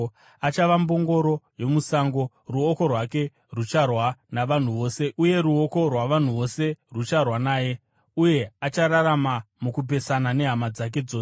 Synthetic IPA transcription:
at͡ʃaʋambo̞ŋɡo̞ɾo̞jo̞musaŋɡo̞ | ruoko̞rwake̞ | rut͡ʃarwanaʋan̤uʋo̞ːse̞uje̞ɾuo̞ko̞rwaʋan̤uʋo̞se̞rut͡ʃarwanaːje̞ | uje̞at͡ʃaɾaramamukup̬e̞sanane̞ɦamad͡zak̬e̞d͡zoːs

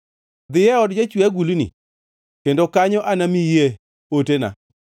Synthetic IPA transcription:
d̪ɪjɛɔdd͡ʒat͡ʃwaɡulinḭ | kendokaɲɔʔanamije | otena̰

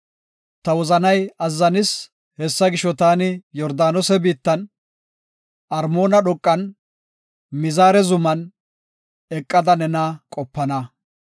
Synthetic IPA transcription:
t̪ɐwɔzɐnɐjɐzːɐnɪs | hɛsːɐɡɪʃːɔt̪aːnɪjɔɾd̪aːnɔsɛbiːt̪ːɐn | ɐɾmo̞ːnɐɗɔkʼːɐn | mɪzaːɾɛzʊmɐn | ɛkʼːɐd̪ɐnɛnɐkʼɔpːɐnɐ

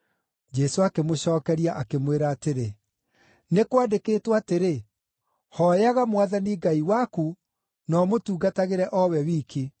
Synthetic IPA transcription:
d͡ʒɛsoakemoɕɔːkɛɾiaʔakemweɾaːteɾe | nekwadekeːtwaːteɾe | hɔjaɣamwaðaniɡaiwaku | nɔmotuːɡataɣeɾɛʔɔwɛwiːki

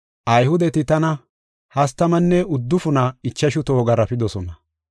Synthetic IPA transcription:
ʔɐjhʊd̪ɛt̪ɪt̪ɐnɐ | hɐst̪ːɐmɐnːɛʊd̪ːʊfʊnɐɪt͡ʃːɐʃʊt̪oːɡɐɾɐpɪd̪ɔsɔnɐ

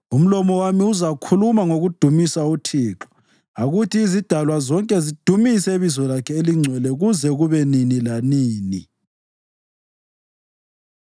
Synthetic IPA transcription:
um̩lɔmɔwamiuzakʰulumaŋoɣud̥ʱumisautʰiːǁɔ̥ | aɣutʰiːzid̥ʱalwazɔŋkʼɛzid̥ʱumiseβizɔlakʰɛeliŋ͡ǀʱwɛlɛɣuzɛɣuβɛninilaniːni

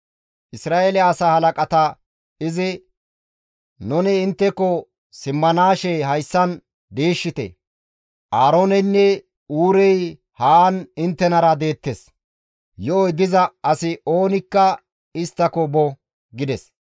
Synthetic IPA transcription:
ʔɪsɾaːelɪaːsaːhɐlɐkʼɐt̪ɐ | ɪzɪ | nʊnɪɪnt̪ːɛkːɔ | sɪmːɐnaːʃɛjɦɐjsːɐn | d̪eːʃːɪt̪ɛ̰ | ʔaːɾonɛnːɛ | uːɾɛj | haːnɪnt̪ːɛnɐɾɐd̪e̞ːt̪ːes | jɔɔjd̪ɪzɐɐsɪoːnɪkːɐ | ɪst̪ːɐkɔbɔ | ɡɪd̪ɛs

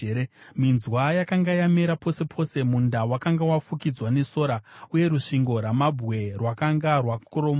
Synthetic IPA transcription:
eminzwajakaŋɡajameɾapo̞se̞pʰo̞ːse̞mundawakaŋɡawafukid͡zwane̞so̞ːɾauje̞ɾuʂiŋɡo̞ɾamabʱɣe̞rwakaŋɡarwakoɾoma

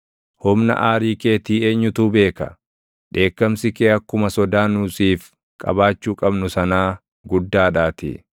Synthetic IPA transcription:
hʊmnɐ̰ʔaːɾiːke̞ːt̪iːe̞ːɲːʊt̪uːbe̞ːkɐ̰ | ᶑe̞ːkːɐmsɪkeːɐkːʊmɐsɔd̪aːnuːsiːf | kʼɐ̰baːt͡ʃːuːkʼɐbnʊsɐnaː | ɡʊd̪ːaːᶑaːt̪ɪ̰

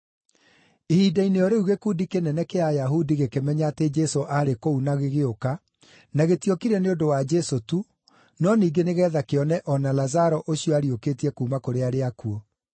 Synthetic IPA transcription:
ehiːdaineɔɾeuɣekuːdikenɛnɛkeajaɦudiɣekemɛɲated͡ʒɛsoʔaɾekounaɣeɣeoka | naɣetiokiɾɛneodowad͡ʒɛsotu | nɔniːɡeneɣɛːðakeɔnɛʔɔnalazaɾɔʔoɕiɔaɾiokeːtiɛkuːmakoɾeaɾeakuɔ

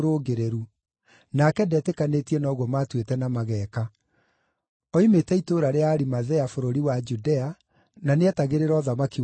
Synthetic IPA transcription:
ɾoɣeɾeɾu | nakɛdɛtekanetiɛnɔːɣwɔmatwetɛnamaɣɛːka | ɔimetɛitoːɾaɾeaːɾimaðɛafoɾoɾiwad͡ʒudɛa | naneɛtaɣeɾeɾɔðamaki

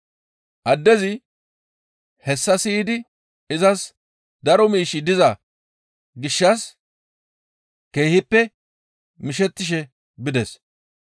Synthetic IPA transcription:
ʔɐd̪ːɛzɪ | hɛsːɐsiːd̪ɪ | ɪzɐs | d̪ɐɾɔmiːʃɪd̪ɪzɐ | ɡɪʃːɐs | ke̞ːhɪpːɛ | mɪʃɛt̪ːɪʃ̬ɛ | bɪd̪ɛs

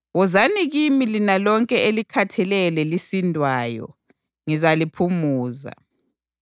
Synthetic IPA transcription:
ɣɔzaniɣimilinalɔŋkʼɛelikʰatʰɛlɛlɛlisindʱwaːjɔ̰ | ŋizalipʰumuːza̰

